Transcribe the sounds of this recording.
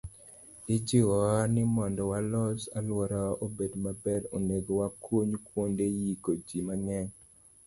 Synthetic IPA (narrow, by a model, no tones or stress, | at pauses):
ɪd͡ʒiwɔwanɪmɔndɔwalɔsalwɔɾɔʔobedmabɛɾoneɡowakwoɲkwondejikod͡ʒimaŋɛŋ